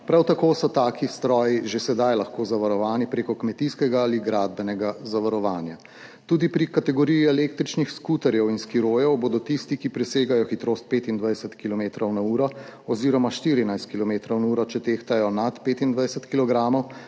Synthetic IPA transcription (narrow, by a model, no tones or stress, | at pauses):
pɾawt̪akoːsɔt̪aːkist̪ɾɔːjiʒesɛd̪ajlɐxkoːzaʋaɾɔʋaːnipɾeːkɔkmɛt̪iskɛɡaaliɡɾaːd̪̚bɛnɛɡazaʋaɾɔʋaːnja | t̪uːd̪ipɾikat̪ɛɡɔɾijiɛleːkt̪ɾit͡ʃnixskuːt̪ɛɾjɛwinskiɾoːjɛwboːd̪ɔt̪ist̪ikipɾɛseːɡajɔxit̪ɾoːst̪̚peːt̪ind̪ʋajsɛt̪kilɔmeːt̪ɾɔwnauːɾɔɔziːɾɔmaʃt̪iːɾinajst̪kilɔmeːt̪ɾɔwnauːɾɔt͡ʃɛt̪eːxt̪ajɔnat̪peːt̪ind̪ʋajɛsɛt̪kilɔɡɾaːmɔw